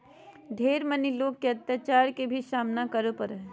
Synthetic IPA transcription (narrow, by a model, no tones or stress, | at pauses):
d̪ʱeːɾməniloːɡ̚kːeɐt̪jaːt͡ʃaːɾkebʱisaːmnakəɾopəɾ